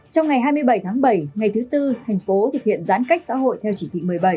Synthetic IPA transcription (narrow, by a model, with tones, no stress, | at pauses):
t͡ɕɔ˧wŋ͡mŋa˨˩jɦaː˧jmɨ˧əjɓə˧˩jt̪ʰaː˨˦ŋɓə˧˩jŋa˨˩jt̪ʰɨ˨˦t̪ɨ˧t̪ʰa˨˩jŋ̟fo˨˦t̪k̚hḭ˧˨ənzaː˨˦nka˦˥k̚sa̰ː˧˥ɦo̰˧˨jt̪ʰɛ˧wt͡ɕi˧˩t̪ʰḭ˧˨mɨ˨˩əjɓə˧˩j